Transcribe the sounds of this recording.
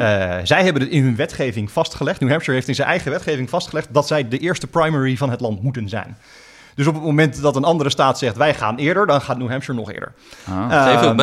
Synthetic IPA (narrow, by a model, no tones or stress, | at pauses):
zɛjɦɛbənətɪnɦɵnʋɛtχejvɪŋv̥ɑstχəlɛχtnuɦɛmʃəɹɦejftɪnzɛnʔɛjχəʋɛtχejvɪŋvɑstχəlɛχt̚dɑtsɛjdəʔɪːɹstəpɹajmɛɹivɑnɦətlɑntmutənzɛ̰jn | dɵs̬ɔpətmomɛntdɑtənɑndəɾəstaːtsɛχtʋɛjχa̰ːnɪːɹdəɹdɑnχaːt̚nuɦɛmʃəɹnɔ̰χɪ̰ːɹdə̰ɹ